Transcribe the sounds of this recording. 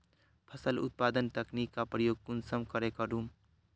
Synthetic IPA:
pʰəsəlʊ̰t̪̚pad̪ənt̪əknikːapɾəjoːɡ̚kunsəmkəɾekəɾum

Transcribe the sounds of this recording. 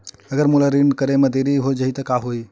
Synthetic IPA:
əɡəɾmulaɾiɳɖkəɾemed̪eɾiɦod͡ʒəɦit̪əkaɦoj

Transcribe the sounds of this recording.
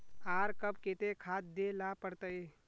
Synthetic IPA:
aːɾkɐbkeːt̪ekʰaːt̪̚d̪eːlaːpəɾt̪əe

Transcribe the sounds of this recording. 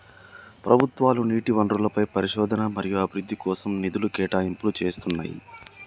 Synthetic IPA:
pɾʔɐbʱut̪ʋaːluniːʈiʋɐnɖɾulɐpɐjpɐɾiʃɔːd̪ʱɐnɐmɐɾijuɐbʱiɾud̪ːikɔːsɐmnid̪ulukɛːʈaːimpulut͡ʃe̞ːst̪unːa̰ːjḭ

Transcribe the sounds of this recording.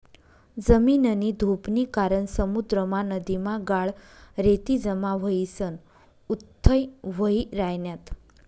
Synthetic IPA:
d͡zəminənid̪ʱupnikaɾəɳsəmud̪ɾəmãnəd̪imãɡaɭɾet̪id͡zəmaʋəisən | ut̪ʰːəjʋəiɾajnjat̪

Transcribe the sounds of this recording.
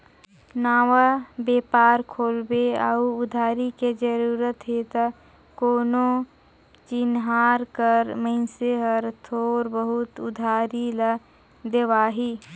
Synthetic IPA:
naːwabeːpaːɾkʰoːlbeauʊd̪ʱaːɾiked͡ʒəɾuːɾət̪ɦet̪a | koːnõ | t͡ʃɪnɦaːɾkəɾmə̃ɪnseɦəɾt̪ʰoːɾbəɦʊt̪ʊd̪ʱaːɾilə | d̪eʋaːɦiː

